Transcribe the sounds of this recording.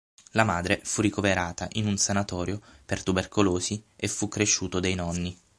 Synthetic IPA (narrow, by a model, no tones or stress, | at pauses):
lamaːd̪ɾefurːikoveɾaːt̪aʔinunsanat̪ɔːɾjopert̪uberkoloːsiefːukːɾeʃːuːt̪od̪ejnɔnːi